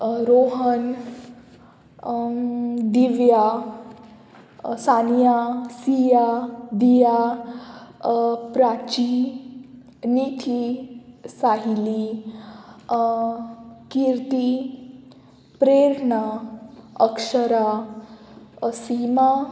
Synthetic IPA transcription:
ɾoɦən | d̪iʋja | sanjasijad̪ija | pɾat͡ɕi | niʈ̪ʰi | saɦili | kiɾt̪i | pɾeɾɳa | əkʂəɾa | sima

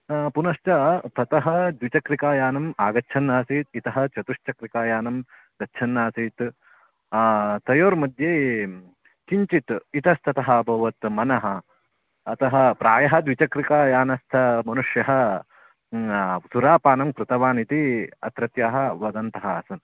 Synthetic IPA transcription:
punɐʃt͡ʃɐt̪ɐt̪ɐɦɐd̪ʋit͡ʃɐkɾikaːjaːnɐmaːɡɐtːt͡ʃʰɐnːaːsiːt̪̚it̪ɐɦɐt͡ʃɐt̪uʂt͡ʃɐkɾikaːjaːnɐm | ɡ̪ɐtːt͡ʃʰɐnːaːsiːt̪ | t̪ɐjoːɾmɐd̪ʱjeː | t͡ʃiɲt͡ʃit̪it̪ɐst̪ʰɐt̪ɐɦɐɐbʱɐʋɐt̪mɐnɐɦɐ̆ː | t̪ɐɦɐ̆pɾaːjɐɦɐd̪ʋit͡ʃɐkɾikaːjaːnɐst̪ʰɐmɐnuʂjɐɦɐ | suɾaːpaːnɐmkɾut̪ɐʋaːnit̪iɐ̰t̪ɾɐt̪jaːɦɐ̆ʋɐd̪ɐnt̪ɐɦɐːsɐn

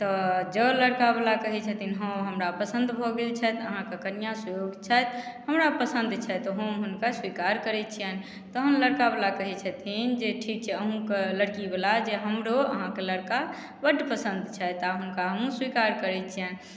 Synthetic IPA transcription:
t̪ɔd͡ʒələɽkabelakəɦɛt͡ʃʰət̪ʰinɦə̃ɦəmɾapəsə̃nd̪bʱɔɡelt͡ʃʰɛt̪əɦãkekənijasəjoɡt͡ʃʰɛt̪həmɾapəsə̃nd̪ʱt͡ʃʰɛt̪ɔɦəmɦunkaswikaɾkəɾɛt͡ʃʰiən | t̪ɔɦəmləɽkabelakəɦɛt͡ʃʰət̪ʰind͡ʒeʈʰik̚t͡ʃʰɛəɦũkeləɽkibelad͡ʒeɦəmɾoə̰ɦãkeləɽka | bəɖpəsə̃nd̪t͡ʃʰɛt̪aɦunkaəɦũswikaɾkəɾɛt͡ʃʰiɛn

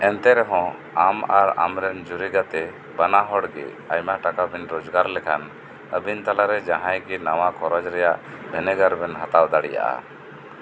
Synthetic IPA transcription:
ɛnt̪ɛɾɛɦɔ̃ | amaɾa̰mɾɛnd͡ʒuɾiɡat̪ɛ | banaɦɔɽɡɛ̰ | ajmaʈakabinɾɔd͡ʒɡaɾlɛkʰan | əbint̪alaɾɛd͡ʒaɦãjɡinawakʰɔɾɔd͡ʒɾɛjaʔ | bʱɛnɛɡəɾbɛnɦat̪awd̪aɽɛ̰ja̰ʔa̰

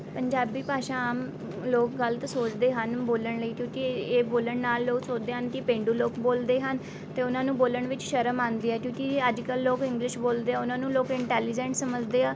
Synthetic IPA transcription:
pəɲd͡ʒaːbiːpaːʃãːaːm | loːkɡəlt̪soːt͡ʃd̪eːɦənboːləɳləiːkjũːkɪeːboːləɳnaːlːoːksoːt͡ʃd̪eːɦənkɪpẽːɳɖuːloːkboːld̪eːɦən | t̪eːʊnãːnũːboːləɳʋɪt͡ʃʃəɾəmãːnd̪iːɛːkjõːkiəd͡ʒkəlːoːkɪ̃ŋɡlɪʃboːld̪eːɛːʊnãːnũːloːkɪɳʈɛːliːd͡ʒɛ̃ːɳʈsəməd͡ʒd̪eːaː

